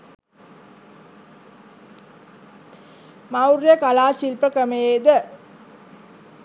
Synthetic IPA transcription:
mawɾjəkalaːsilpəkəmejed̪ə

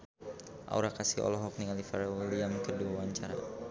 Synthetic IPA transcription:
ʔa̰uɾakasiɔ̰lɔɦɔk̚niŋalifaɾawiliamkərduawaɲt͡ʃaɾa̰

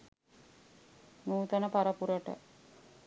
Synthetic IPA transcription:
nuːt̪ənəpaɾəpuɾəʈə̰

